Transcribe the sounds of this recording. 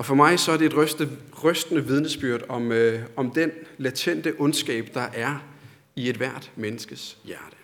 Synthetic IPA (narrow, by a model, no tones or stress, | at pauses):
ɒ̽fɒ̽mɑ̈ɪsɒ̽æɐd̥ee̝dʁ̥ | ʁœsd̥ənəʋið̞ˠnəsb̥yɐ̰d̥ɒ̽mɒ̽md̥enlæt͡sʰen̰d̥əʔɔ̽nsɡ̥ɛ̰ːb̥d̥ɑ̈ʔæɐ | ie̝d̥ʋæɐ̰d̥menəsɡ̥əsjæɐd̥ə̥